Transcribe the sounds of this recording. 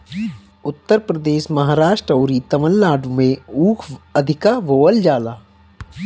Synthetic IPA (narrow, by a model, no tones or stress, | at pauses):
ʊt̪ːəɾpɾəd̪eːʃmɐɦaːɾaːʃʈɾəoːɾit̪ɐʋəlːaːɖumẽuːkʰɐd̪ʱɪkaʋoːʋəld͡ʒaːlaː